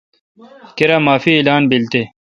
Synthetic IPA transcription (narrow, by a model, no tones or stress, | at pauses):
keɾaːmaːfiːlaːnbilt̪e